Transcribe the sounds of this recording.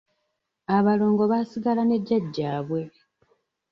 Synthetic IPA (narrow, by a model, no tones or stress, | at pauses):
aβalo̞ːŋɡo̞βasiɡalane̞ɟːaɟːaːβwe̞